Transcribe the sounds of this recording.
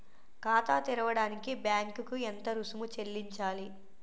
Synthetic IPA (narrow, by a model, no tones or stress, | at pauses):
kaːt̪aːt̪iɾɐʋɐɽaːnikibjaːŋkukuent̪ɐɾusumut͡ʃe̞lːiɲt͡ʃaːli